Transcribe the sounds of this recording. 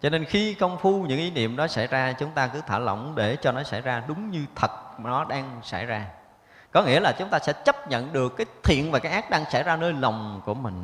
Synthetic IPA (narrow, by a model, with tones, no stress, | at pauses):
t͡ɕɔ˧ne˧nxi˧kə˧wŋ͡mfu˧ɲɨ̰˧˥ŋʔi˨˦nḭ˧˨əmɗɔ˨˦sa˧˩jzaː˧t͡ɕʊ˨˦ŋ͡mt̪aː˧kɨ˨˦t̪ʰaː˧˩lə̰˧˨wŋ͡mɗe˧˩t͡ɕɔ˧nɔ˨˦sa˧˩jzaː˧ɗʊ˨˦ŋ͡mɲɨ˧t̪ʰə˨˩t̚nɔ˨˦ɗaː˧ŋsa˧˩jzaː˧ | kɔ˨˦ŋḭ˧˥əlaː˨˩t͡ɕʊ˨˦ŋ͡mt̪aː˧sɛ̰˧˥t͡ɕə˦˥p̚ɲə̰˧˨nɗɨ˨˩əkːaː˨˦jt̪ʰḭ˧˨ənvaː˨˩kaː˨˦jʔaː˦˥ɗaː˧ŋsa˧˩jzaː˧nəː˧jla˨˩wŋ͡mku˧˩əmï˨˩ŋ̟